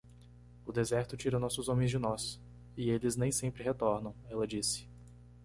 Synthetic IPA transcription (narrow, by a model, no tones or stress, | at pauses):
ʊd̪ezɛɾt̪ʊt͡ʃiɾɐnɔsʊzõmẽj̃zd͡ʒɪnɔs | ɪelɪznẽj̃sẽmpɾɪɦet̪ɔɾnɐ̃w̃ɛlɐd͡ʒisɪ̥